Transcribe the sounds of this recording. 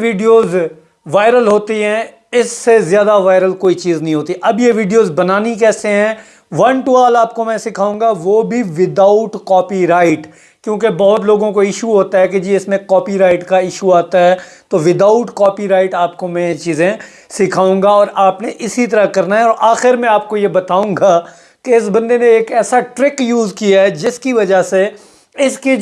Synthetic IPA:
ʋiːɖijoːz | ʋaːɪɾəlɦoːt̪iɦɛ̃ | ɪsːezjaːd̪aʋaːɪɾəlkoːit͡ʃiːznɐɦĩɦoːt̪iʔɐbjeʋiːɖijoːzbɐnaːnik̬ɛːseɦɛ̃ | ʋɐnʈuaːlaːp̚komɛ̃sɪkʰaːũːŋɡaʋoːbʱiʋɪd̪aʊʈkɔːpiɾaːɪʈ | kjõːk̬ebɐɦʊt̪loːɡõkoɪʃuɦoːt̪aɦɛk̬ed͡ʒiːɪsmẽkɔːpiɾaːɪʈkaɪʃuaːt̪aɦɛː | t̪oʋɪd̪aːʊʈkɔːpiɾaːɪʈaːp̚komɛ̃t͡ʃiːzẽ | sɪkʰaːũːŋɡaɔːɾaːpneʔɪsit̪ɐɾəkɐɾnaɦɛɔːɾʔaːxɪɾmɛ̃aːp̚kojebɐt̪aːũːŋɡa | keɪs̬bɐ̃nd̪enẽeːkɛːsaʈɾɪkjuːzkijaɦɛd͡ʒɪskiʋɐd͡ʒase | ɪski

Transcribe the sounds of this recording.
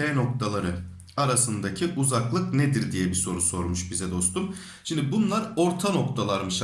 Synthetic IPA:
ɛːno̞k̚t̪ʰalˠaɾɯ | aɾasɯnd̪acʰiʔuzaklˠɯknɛd̪iɾd̪ijɛbiso̞ɾuso̞ɾmuʃbizɛd̪o̞st̪um | ʃimd̪ibunlˠaɾo̞ɾt̪ʰano̞kt̪ʰalˠaɾmɯʃ

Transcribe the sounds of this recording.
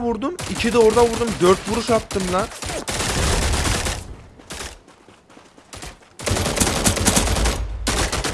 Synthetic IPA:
buɾd̪umit͡ʃʰɪd̪ɛoɾd̪ɑbuɾd̪umd̪øɾt̪buɾuʃɑt̪ːɯmla

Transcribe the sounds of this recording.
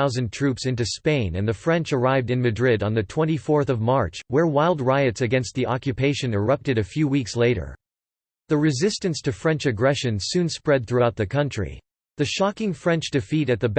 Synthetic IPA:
aʊzɨ̃ntʰɹ̥ʉpsɪ̃ntʉspẽɪ̃nɨ̃nðɨfɹɛ̃nt͡ʃə˞aɪvdɨ̃nmɨdɹɪɾn̩ðɨtʰw̥ɛ̃ñifɔɹθʌvmɑɹt͡ʃwə˞waɪlˠd̚ɹaɪɨtsɨɡɛ̃nst̪̚ðiʔɑkjɨpʰeɪʃɨ̃nɪ˞ʌp̚tɨɾɨfjʉwiksleɪɾə̰˞ | ðɨɹɨzɪstɨ̃nstʰɨfɹɛ̃nt͡ʃɨɡɹɛʃɨ̃nsʉ̃nspɹɛd̪̚θɹʉaʊt̪̚ðɨkʰʌ̃nt͡ʃɹ̥ḭ | ðɨʃɑkɪ̃ŋfɹɛ̃nt͡ʃd̥ɨfiɾɨt̪̚ðɨb

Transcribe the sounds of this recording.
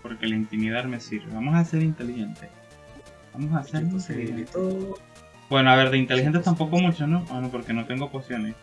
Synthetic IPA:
po̞ɾke̞laint̪imiðaðme̞siɾβḛβamo̞sase̞ɾint̪e̞lixe̞nt̪e | bamo̞saseɾkoseio | b̥we̞no̞aβe̞ɾðe̞int̪elihxent̪est̪ampo̞ko̞mut͡ʃono̞anopo̞ɾke̞no̞t̪e̞ŋɡo̞kwest̪jo̞ne̞s

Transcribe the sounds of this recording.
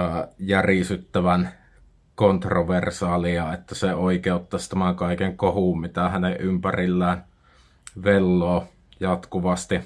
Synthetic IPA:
jærisyt̪ːæʋæn | kont̪roʋersɑːliɑet̪ːæseoˑikeˑout̪ːɑst̪æmæŋkɑˑikeŋkohuˑmmit̪æhæneʔʔympærilːæːn | ʋelːoː | jɑt̪kuʋɑst̪i

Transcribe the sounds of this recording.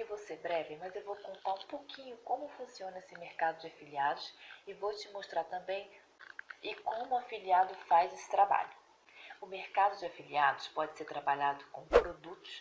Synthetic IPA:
ewvowseɾbɾɛvɪmɐzewvowkõnt̪aɾũpokʰĩɲʊkõmʊfũsiõnɐesɪmeɾkad̪ʊd͡ʒɪafiliad̪ʊsɪvowt͡ʃɪmoʃt̪ɾaɾt̪ɐ̃mbẽj̃ | ɪkõmʊafiliad̪ʊfajzesɪ̥t̪ɾaba̰ʎʊ | ʊmeɾkad̪ʊd͡ʒɪafiliad̪ʊspɔd͡ʒɪseɾt̪ɾabaʎad̪ʊkõpɾod̪ut̪ʊs

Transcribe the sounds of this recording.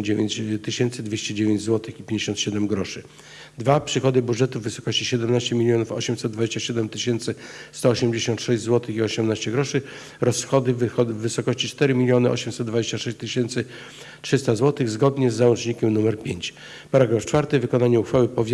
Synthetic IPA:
d͡ʑevʲt͡ɕt̪ɘɕɛnt̪sɘd̪vʲjeɕt͡ɕɛd͡ʑevʲjẽɲd͡ʑzwɔt̪ɘxipʲjẽɲd͡ʑeɕɔ̃nt̪ɕɛd̪ɛmɡɾɔʂɘ | d̪vapʂɘxɔd̪ɘbudʐɛt̪uvːɘsɔ̥kɔɕt͡ɕiɕɛd̪ɛmnaɕt͡ɕɛmʲilʲjɔnufɔ̰ɕɛmsɛd̪d̪vad͡ʑeɕt͡ɕaɕɛd̪ɛmt̪ɘɕɛnt̪sɘst̪ɔːɕɛmd͡ʑeɕɔ̃nt̪ʂɛʑd͡ʑʲzwɔt̪ɘxiɔɕɛmnaɕt͡ɕɛɡɾɔʂɘ | ɾɔsxɔd̪ɘvvːɘsɔkɔɕt͡ɕit͡ʂt̪ɛɾɘmʲilʲjɔnɘɔ̰ɕɛmsɛd̪̚d̪vad͡ʑeɕt͡ɕaʂɛɕt͡ɕt̪ɘɕɛnt̪sɘ | tʂɘst̪azwɔt̪ɘɣzɡɔd̪ɲɛzːawɔnt͡ʂɲikʲɛmnumɛɾpʲjeɲt͡ɕ | paɾaɡɾaft͡ʂfaɾt̪ɘvɘkɔnaɲɛuxfawɘpɔvʲ

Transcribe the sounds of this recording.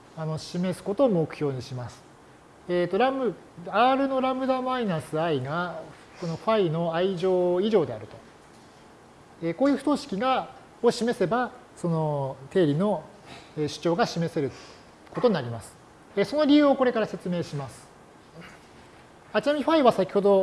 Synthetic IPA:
ano̞ɕime̞sɨ̥ko̞t̪o̞ːmo̞kɯ̟̥ço̞ːɲ̟iɕimasɨ̥ | et̪ːo̞ɾamɯ | aːɾɯ̟no̞ɾamɯ̟d̪amainasɨaiɡa | ko̞no̞ɸaino̞aiʑo̞ːiʑo̞ːd̪e̞aɾɯ̟t̪o̞ | ekoːjɯ̟ɸɯ̥t̪o̞ːɕi̥kʲiɡa | oɕime̞se̞ba | so̞no̞t̪e̞ːɾʲino̞ | eːɕɨ̥t͡ɕo̞ːɡaɕime̞se̞ɾɯ̟ | ko̞t̪oɲinaɾʲimasɨ̥ | eso̞no̞ɾʲiɯ̟ːoko̞ɾe̞kaɾase̞t͡sɨme̞ːɕimasɨ̥ | at͡ɕinamʲiɸaiβasakʲi̥ho̞d̪o̞

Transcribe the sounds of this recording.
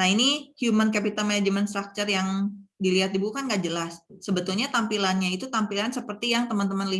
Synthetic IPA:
nainihjumankapit̪amad͡ʒəmanst̪ɾak̚t͡ʃərjaŋdiliɦat̪̚dibukanɡaʔd͡ʒəlasːəbət̪ulɲat̪ampilanɲait̪ut̪ampilansəpərt̪ijaŋt̪əmant̪əmanli

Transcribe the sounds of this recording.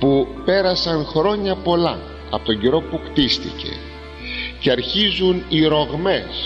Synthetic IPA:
pupe̞ɾɐsɐnxɾo̞ɲɐpo̞lɐ | ɐpo̞t̪oɲɟiɾo̞pukt̪ist̪ḭce̞̰ | ceɐɾçizuniɾo̞ɣme̞s

